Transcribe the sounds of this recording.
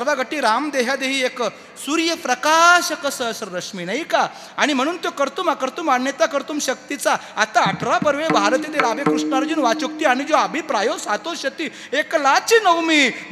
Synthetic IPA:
əɾʋaɡʱəʈiːɾamd̪eɦjad̪eɦiːek | suɾjəpɾəkaɕəkəsəsɾɾəʂmiːnajkaː | ɽ̃im̤əɽ̃uːnt̪jokəɾt̪umakəɾt̪umanjət̪akəɾt̪uːmɕək̚t̪it͡saːt̪aːʈʰɾapəɾʋebʱaɾt̪it̪elaʋekɾuʂɳaɾd͡ʑiːnʋat͡ɕuk̚t̪iːaɽ̃id͡zoabʱipɾajosat̪oɕət̪iː | eklat͡ɕiːnəwmiː

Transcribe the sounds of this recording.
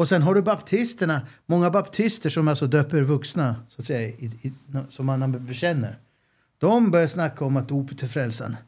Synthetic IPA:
ɔsɛnɦaɖɵbapt̪ʰɪst̪əɳamɔŋːabapt̪ʰɪst̪əʂɔmalt̪sɔd̪øːpəɾvɵksnasat̪sɛjaɪɪnsɔmːananbɛɕɛnːə̰ɾ | d̪̥ɔmbœɾjaʂnakːaɔmat̪̚d̪uːpət̪ʰɪlfɾɛlsa̰n

